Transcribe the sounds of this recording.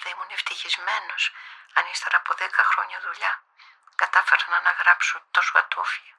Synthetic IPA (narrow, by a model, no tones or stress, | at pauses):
ðɐimuneft̪içizme̞no̞sɐnist̪ɐɾɐpoðekɐxɾo̞ɲɐðuʎɐ | kɐt̪ɐfeɾɐnɐːnɐɣɾɐpsunt̪osoɐ̰t̪ofio